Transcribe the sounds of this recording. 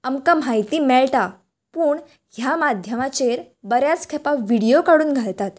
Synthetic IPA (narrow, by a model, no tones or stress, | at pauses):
əmkamɦajt̪iːmɛɭʈa | puːɳ | ɦjamad̪ʱjəmat͡ɕeɾ | bəɾjat͡skʰepaʋiɽijokaɽuːnɡʱaɭt̪at̪